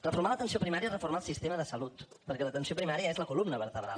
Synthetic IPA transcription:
rəfuɾmalət̪ənsiopɾimaɾiərəfuɾmalˠsist̪eməðəsəlut̪ | pəɾkɛlət̪ənsiopɾimaɾiəezləkulumnəβəɾt̪əβɾa̰l

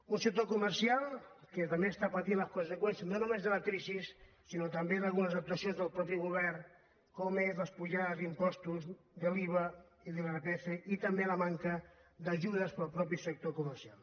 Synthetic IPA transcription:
unsək̚t̪okuməɾsialˠkət̪ɐmbest̪apət̪inləskunsəkwɛnsjəznonumezðələkɾizisː | inot̪ɐmbeðalˠɣunəzək̚t̪uɐsiõnzðəlˠpɾɔpiɣuβ̞ɛr | komezləspuʒaðəzimpɔst̪uz | ðəliβ̞ə | iðəleɾpeθeʔit̪əmbeləmaŋkəd̪ɐʒuðəspəlˠpɾɔpisək̚t̪okuməɾsialˠ

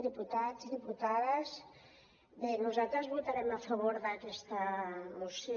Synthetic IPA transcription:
ðiput̪ad͡zðiput̪aðəz | benuzat̪ɾəzβut̪aɾɛmafəβ̞oɾðəkɛst̪əmusj

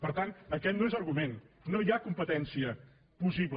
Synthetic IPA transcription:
pəɾt̪anəkɛt̪noezəɾɣumennojakumpət̪ɛnsiə | pusiβl

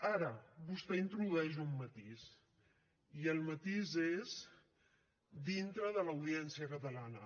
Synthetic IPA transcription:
aɾəbust̪ɛint̪ɾuðuɛʒumːət̪iz | iəlˠmət̪izez | d̪int̪ɾəðələwð̞iɛnsiəkət̪əlanə

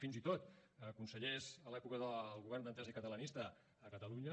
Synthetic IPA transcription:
finzit̪ot̪əkunsəʎezəlɛpukəðəlˠɣuβɛrnd̪ənt̪ɛzəikət̪ələnist̪əː | kət̪əluɲə

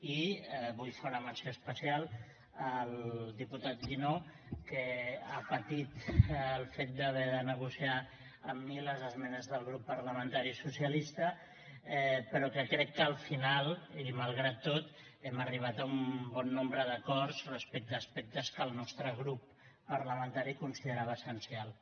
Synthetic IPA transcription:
iβujfewnəmənsjoəspəsialˠ | əlˠd̪iput̪at̪̚ɡino | kəapət̪it̪əlˠfet̪̚d̪əβɛðənəɣusia | əmːiləzəzmɛnəzðəlˠɣɾupːəɾləmənt̪aɾisusiəlist̪ə | ɛpəɾɔkəkɾɛkːəːlˠfinalˠiməlˠɣɾat̪ːot̪ɛməriβ̞at̪əumbɔnːombɾəðəkɔrzrəspɛk̚t̪əspɛk̚t̪əskəlˠnɔst̪ɾəɣ̞ɾupː | əɾləmənt̪aɾikunsiðəɾaβəːsənsialˠ

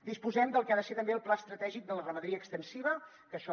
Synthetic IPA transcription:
d̪ispuzɛmd̪əlˠkaðəset̪əmbeəlˠplaəst̪ɾət̪ɛʒik̚d̪ələrəməðɾiəkst̪ənsiβə | kəʃɔ

